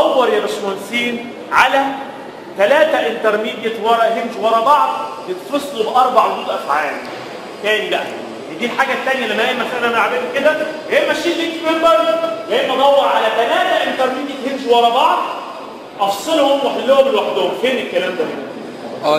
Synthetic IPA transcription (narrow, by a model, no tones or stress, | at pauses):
ɑwːɑɾˤjælæsoænsiːn | ʕalæ | t̪ælæːt̪æʔent̪ɑɾˤmiːd̪jet̪wɑɾˤɑʔɦend͡ʒwɑɾˤɑbɑʕd̪̚ˤbet̪fɑsˤːlobʔɑɾˤbɑʕwod̪uːd̪ʔæfʕaːli | t̪æːnibæʔæ | d̪iːlħaːɡæt̪ːænjælæmːæeːʔmæsæʔnæmælʕabæːd̪iked̪æheːʔmæʃːiːʔlik̪fembɑɾˤjæemʔɑd̪ˤɑwːɑɾʕalæt̪ælæːt̪æʔent̪ɑɾˤmiːd̪jet̪hend͡ʒwɑɾˤɑbɑʕd̪̚ˤ | ʔɑfsˤelhomwaħed̪ːohomelwaħd̪oofeːnekːælæːmd̪æhæ